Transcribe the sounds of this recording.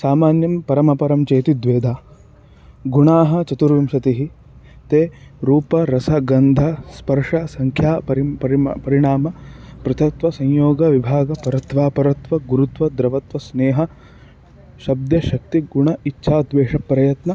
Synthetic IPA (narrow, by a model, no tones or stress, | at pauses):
saːmaːnjɐmpɐɾɐmɐpɐɾɐmt͡ʃeːt̪id̪ʋeːd̪ʱaː | ɡuɳaːɦɐ̆t͡ʃɐt̪uɾʋimʃɐt̪iɦi | t̪eːɾuːpɐɾɐsɐɡɐnd̪ʱɐspɐɾʂɐsɐŋkʰjaːpɐɾpɐɾipɐɾiɳ̃aːmɐpɾɐt̪ʰɐt̪ʋɐsɐ̃ɲjoːɡɐʋibʱaːɡɐpɐɾɐt̪ʋaːpɐɾɐt̪ʋɐɡuɾut̪ʋɐd̪ɾɐʋɐt̪ʋɐsneːɦɐ | ʃɐb̚d̪jɐʃɐk̚t̪iɡuɳɐitːʃʰaːd̪ʋeːʂɐpɾɐjɐt̪nɐ